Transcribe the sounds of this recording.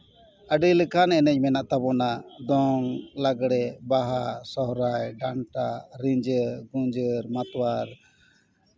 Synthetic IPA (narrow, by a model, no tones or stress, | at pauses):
əɖiləkʰanɛnɛɲmɛnaʔt̪abɔnad̪ɔŋlaɡɽɛbaɦasɔɦɾajɖaɳʈaɾiɲd͡ʒəɾɡuɲd͡ʒəɾmat̪waɾ